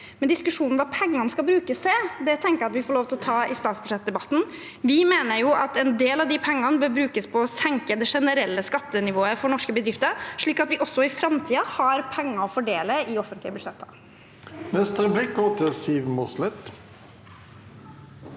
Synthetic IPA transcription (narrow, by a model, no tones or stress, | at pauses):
mɛnd̪ɪskʉʂuːnn̩ʋɑpʰɛŋːɑnskɑlbɾʉːkəsd̪ɛd̪ɛt̪ʰɛŋkəjɑt̪ʋɪfoːɭoːʋt̪ʰɪlɔt̪ʰɑːɪst̪ɑːt̪sbʉ̥ʂɛt̪̚d̪ɛbɑt̪n̩ | ʋɪmeːnəɾjʊʔɑt̪ɛnd̪eːlɑʋd̪ɪpʰɛŋːɑnəbøːɾbɾʉːkəspʰɔːsɛŋkəd̪ɛʂɛnəɾɛlːəskɑt̪ːənɪʋoːəfɔɳɔʂkəbəd̪ɾɪft̪əɾʂɭiːkɑt̪ʋɪʔɔsːɔɪfɾɑmt̪ʰiːɑhɑɾpʰɛŋːəɔfɔɖeːləɪɔfənt̪lɪəbʉd̪ʂɛt̪ʰːə̰ | nɛst̪əɾəblɪk̚ɡoːt̪ʰɪlsiːʋmʊslɛt̪